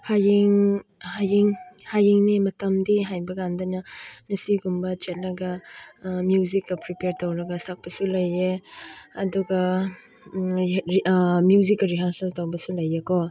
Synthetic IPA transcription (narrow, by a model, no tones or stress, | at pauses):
hajiŋhajiŋhajiŋnimɐtɐmdiɦajbɐɡandɐnɐnɐsiɡumbɐt͡ʃet̚lɐɡa | mjuzikːɐpɾipeɾtowɾɐɡɐsak̚pɐsulɐjːeɐduɡa | mjuzikːɾiɦansɐlstawbɐsulɐjekɔ